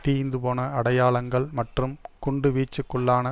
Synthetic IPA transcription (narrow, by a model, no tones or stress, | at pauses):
t̪iːjnd̪ɯpoːnɐɐɽɐjaːɭɐŋɡɐɭmɐʈrɯmkʊɳɖɯʋiːt͡ʃːɯkːɯɭːaːnɐ